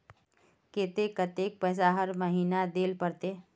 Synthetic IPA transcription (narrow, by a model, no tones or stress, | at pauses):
ket̪ekət̪ek̚pəsaɦəɾməɦiːnad̪eːlpəɾt̪e